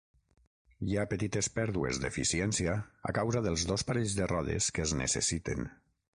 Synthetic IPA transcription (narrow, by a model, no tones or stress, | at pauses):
japət̪it̪espɛɾðuḛzd̪efisiɛnsiaa̰kawzaðəlˠzðospaɾeʎzðərɔðḛskəznə̰sə̰sit̪ḛn